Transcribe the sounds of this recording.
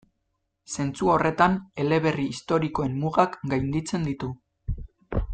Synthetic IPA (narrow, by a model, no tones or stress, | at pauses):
se̞nt͡suo̞re̞t̪ane̞le̞βe̞riːst̪o̞ɾiko̞e̞mmuɣakɡajnd̪it͡se̞nd̪it̪u